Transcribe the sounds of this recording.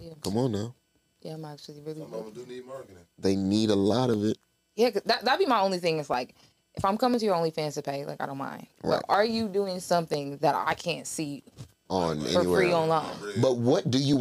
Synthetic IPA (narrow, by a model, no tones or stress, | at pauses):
jkʰʌ̃mə̃nːaʊ | jæãɪ̃mæk̚t͡ʃl̩ˠiɹɪlˠiɡ | ðeɪniɾəlɔɾʌvɪt̚ | jækʌzðɨt̚ðətlbimaɪõʊ̃nliθɪ̃ŋɨzlaɪk | ʔɨfãɪ̃mkʰʌ̃mɪ̃ŋtʰɨjə˞õʊ̃nlifæ̃nsɨpʰeɪla̰ɪkaɪõʊ̃nmã̰ɪ̃nd̥̚aʌ̰ʔə˞jɨduɪ̃ŋsʌ̃mθɪ̃ŋðɨɾa̰ɪkʰæ̃ntsi | nɛ̰ə˞ifeɹiɑ̃nlãɪ̃nbʌt̚wʌt̚d̥ɨjɨ